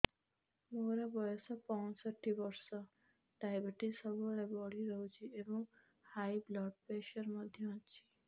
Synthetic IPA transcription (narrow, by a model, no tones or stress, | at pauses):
moɾebɔjɔsɔpɔ̃nsɔʈːibɔɾsɔ | ɖajbeʈisɔbuɭebɔɽiɾəwt͡ʃʰiebɔŋ | hajblɔɖ̚peʃɔɾmɔd̪ʱjɔɔt͡ʃʰi̥